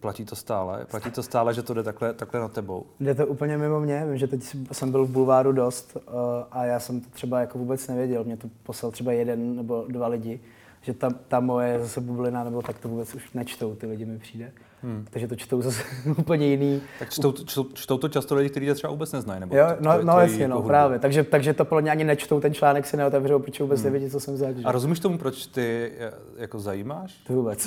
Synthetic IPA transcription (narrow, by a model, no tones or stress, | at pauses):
placiːt̪ost̪aːlɛ̰placit̪ost̪aːlɛʒɛt̪odɛt̪aklɛt̪aklɛnat̪ɛbo̰wdɛt̪̬oʔuːpl̩ɲɛmɪmo̞mɲɛvɪmʒɛt̪ɛcssɛmbɪlvbulvaːɾudo̞st̪ʔajaːsɛmt̪ot̪r̥ɛbajakovuːbɛt͡snɛvɪjɛɟɛlmɲɛt̪oposlalt̪r̥ɛbajɛdɛnːɛbo̞dvalɪɟɪ | ʒ̥ɛt̪at̪amo̞jɛɛzasɛbublɪnanɛbot̪akt̪ovuːbɛt͡suʃnɛt͡ʃt̪o̞wt̪ɪlɪɟɪmɪpr̥iːdɛ | t̪oʒɛt̪ot͡ʃt̪owzasɛuːpl̩ɲɛjɪniːakt͡ʃ̪owt͡ʃot͡ʃt̪owt̪ot͡ʃast̪olɪɟɪk̚t̪ɛɾiːt̪ɛt̪rɛba̰uːbɛtt͡snɛznajnɛbjoonojasɲɛnopɾaːvjɛt̪aɡʒɛt̪aɡʒɛt̪opodlɛmɲɛaɲɪnɛt͡ʃt̪owt̪ɛnt͡ʃlaːnɛksɪnɛot̪ɛvrowpɾot͡ʃɛvuːbɛt͡snɛvjɛɟɪt̪t͡sosɛmzaʒaɾozumiʃt̪omupɾot͡ʃt̪ɪ | jakozajiːmaːʃt̪vuːbɛt͡s